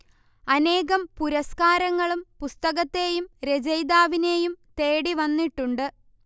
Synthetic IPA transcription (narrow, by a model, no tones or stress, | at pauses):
ɐne̞ːɣɐmpuɾɐskaːɾɐŋːɐɭumpust̪ɐɣɐt̪ːe̞ːjumɾe̞d͡ʑɐjd̪aːʋine̞ːjumt̪e̞ːɽiʋɐnːiʈːuɳɖɨ